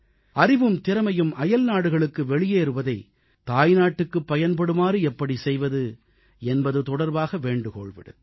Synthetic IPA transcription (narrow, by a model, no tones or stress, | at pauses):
ɐrɪʋɯmt̪ɪɾɐmɐjɯmʔɐjɐlnaːɽɯɣɐɭɯkːɯʋɛɭɪjeːɾɯʋɐðɐɪ | t̪aːjnaːʈːɯkːɯpːɐjɐnpɐɽɯmaːɾɯɛpːɐɽisɛjʋɐðɯ | ɛnbɐðɯt̪ɔɽɐɾbaːɣɐʋeːɳɖɯko̰ːɭʋɪ̰ɽɯ̰m